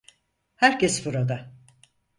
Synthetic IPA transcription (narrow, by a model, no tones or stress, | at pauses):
hæɾcʰɛsbuɾad̪a